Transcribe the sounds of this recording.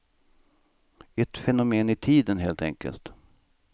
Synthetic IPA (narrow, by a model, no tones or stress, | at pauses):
ɛt̪fɛnʊmeːnɪt̪ʰiːd̪ənɦeːlt̪ɛ̰ŋkə̰lt̪